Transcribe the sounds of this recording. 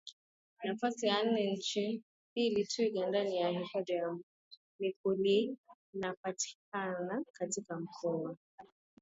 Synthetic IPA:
nafasijan̩nɛɲ̩t͡ʃi | ilitʰuikandanijahihɔd͡ʒajam̩ | nikuli | napati̥k̚anakatikam̩kʰɔa

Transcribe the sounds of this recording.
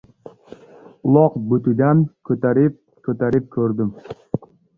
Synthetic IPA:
ʊlˠɒqbɵt̪ɪd̪ankʰɵt̪aɾɪp̚ | kʰɵt̪aɾɪp̚kʲʰɵɾd̪ɪm

